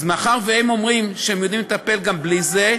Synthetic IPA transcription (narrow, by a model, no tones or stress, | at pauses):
zmaχaʁvehemo̞mʁimʃeemjod̪imlet̪ape̞lɡamblize